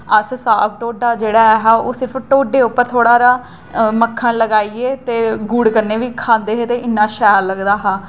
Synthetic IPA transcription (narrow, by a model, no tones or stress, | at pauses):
əssaːk̚ʈoːɖaːd͡ʒeːɽaːɛɦaːoːsɪɾəpʰʈoːɖeːʊpːəɾt̪ʰoːɽaːɾaː | məkʰːãːləɡaːiːeːt̪eːɡuːɽkəɾneːʋiːkʰãːnd̪eːɦeːt̪eːʔɪnːãːʃɛːɾləɡd̪aːɦãː